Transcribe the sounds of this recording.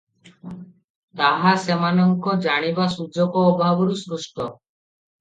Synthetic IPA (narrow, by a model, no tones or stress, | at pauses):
t̪aɦasemanɔŋkɔd͡ʒaɽ̃ibasud͡ʒɔkɔːbʱabɔɾusɾusʈɔ